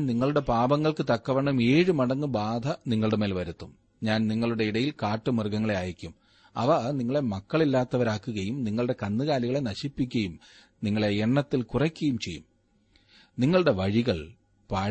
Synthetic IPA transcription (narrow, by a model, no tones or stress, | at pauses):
nniŋːɐɭuɽe̞paːbɐŋːɐɭkɨt̪ɐkːɐʋɐɳɐmeːɻɨmɐɽɐŋːɨbaːd̪ʱɐniŋːɐɭuɽeme̞ːlʋɐɾut̪ːum | ɲaːnniŋːɐɭuɽe̞iɽɐjilkaːʈːɨmirɡɐŋːɐɭeaːjikʲːum | ɐ̰ʋɐniŋːɐɭe̞mɐkːɐɭilːaːt̪ːɐʋɐɾaːkːuɣɐjumniŋːɐɭuɽe̞kɐnːɨɣaːliɣɐɭe̞nɐɕipːik̬ʲːɐjum | niŋːɐɭeeɳːɐt̪ːilkurɐkʲːɐjumt͡ɕe̞jːṵm | niŋːɐɭuɽe̞ʋɐɻiɣɐɭ | paː